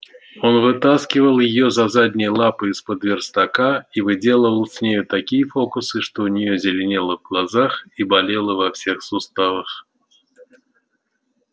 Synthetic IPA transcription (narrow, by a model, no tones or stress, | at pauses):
ɔnvɨt̪askʲivɐlˠjijɔzazad̪ʲnʲɐjlˠapɨispɐd̪vʲɛrst̪akaivɨd͡zʲɛlˠəvɐlˠsʲnʲejut̪akʲijɐfɔkusɨʂt̪ɔunʲijɔzʲɪlʲɛnʲɛlˠɐvɡlˠazaxibalʲɛlˠɐvawsʲɛxsust̪avɐx